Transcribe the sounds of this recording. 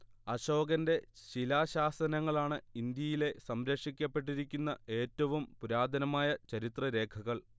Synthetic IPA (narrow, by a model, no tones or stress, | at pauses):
ɐɕo̞ːɡɐnde̞ɕilaːɕaːsɐnɐŋːɐɭaːɳɨind̪jɐjile̞sɐmɾɐkʂikʲːɐpːe̞ʈːiɾikʲːunːɐʔe̞ːtːɐʋumpuɾaːd̪ʱɐnɐmaːjɐt͡ɕɐɾit̪rɐɾe̞ːkʰɐɣɐɭ